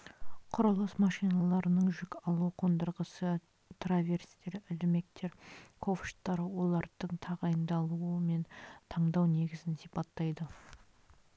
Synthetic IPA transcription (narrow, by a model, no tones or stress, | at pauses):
qʰʊɾɑlˠəsmɑʃijnɑlˠɑɾənəɴʒʏkʲɑlˠuqʰo̞nd̪əɾʁəsə | t̪ʰravʲe̞rst̪e̞ɾɪlɪme̞k̚t̪e̞ɾkʰo̞fʃt̪ːɑɾəwo̞lˠɑɾd̪̥əɴt̪ʰɑʁɑjənd̪ɑlˠuəme̞nt̪ʰɑɴd̪ɑwne̞ɡʲɪzɪnsijpɑt̪ːɑjd̪ə